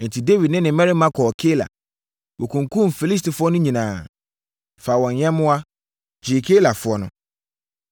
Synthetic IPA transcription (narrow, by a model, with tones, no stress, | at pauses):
n̩˨tʰi˨de˦wi˨dnɪ̃˦nɪ̃˨mɛ̃˦ɾi˦mã˦kʰɔ˨kʰe˦la̰˨ | wo˨kʰũ˨ŋ˨kʰũ˦mfi˨li˦s̬ti˨fʊ˦ɔ˦nʊ̃˦ɲĩ˨nãː˨ | fa˨wɔ̃˨nɲɛ̃˦mʊ̃˦a˦ | d͡ʑi˨kʰe˦la˨fʊ˨˦ɔ˦nʊ̃˨